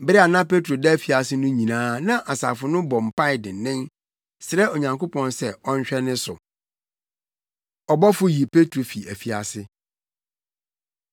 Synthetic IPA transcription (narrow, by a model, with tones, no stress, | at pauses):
bɪ˦ɾɪ˦a˨nã˦pe˦tʰɾo˨dɛ˦fi˨a˨sɪ˦nʊ̃˦ɲĩ˨nãː˦nã˦ʔa˨sa̰˨fʊ˨nʊ̃˦bɔ˨m̩˨pʰa˦ɪ˨dɪ̃˨nːɪ̃˦n | sɾɛ˦o˨ɲã˨ŋkʰo˦pʰɔ̃˨nsɛ˦˨ɔ˦ɲ˦ɕᶣɛ˦nɪ̃˦sʊ̰˨ | ɔ˨bɔ˦fʊ˦ji˨pʰe˦tʰɾo˨fi˨æ˨fi˨a˨sɪ˦